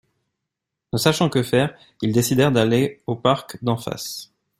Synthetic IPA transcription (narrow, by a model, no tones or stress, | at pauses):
nəsaʃɑ̃kəfɛʁ | ild̪esid̪ɛʁd̪aleopaʁkd̪ɑ̃fa̰s